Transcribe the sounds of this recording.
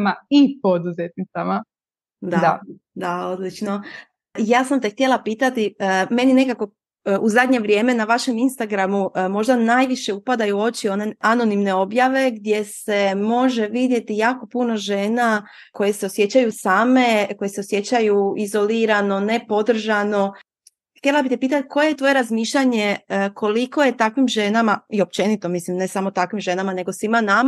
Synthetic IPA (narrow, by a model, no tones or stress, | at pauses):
maipod̪uzet̪̚nit̪sama | d̪aa | d̪ao̞d̪lit͡ʃno | jaːsamt̪e̞xt̪je̞lˠapiːt̪at̪iəme̞nine̞kako̞ | uzad̪ɲe̞ʋɾjeːme̞naʋaʃe̞minst̪aɡɾamumo̞ʒd̪anajʋiʃe̞upad̪ajuo̞t͡ɕio̞ne̞ano̞nimne̞o̞bjaʋe̞ɡd̪je̞se̞mo̞ʒe̞ʋid̪je̞t̪ijaːko̞puno̞ʒe̞ːna | ko̞jese̞osje̞t͡ɕajusaːme̞ko̞jeseosje̞t͡ɕajuizo̞liɾano̞ne̞po̞d̪r̩ʒano̞ | xt̪je̞lˠabit̪epiːt̪at̪kʰo̞jejet̪ʋo̞je̞ɾazmiːʃʎaɲe̞kʰo̞liko̞je̞t̪akʋimʒe̞namaio̞p̚t͡ɕe̞nit̪o̞mislimne̞samot̪akʋimʒe̞namane̞ɡo̞simanam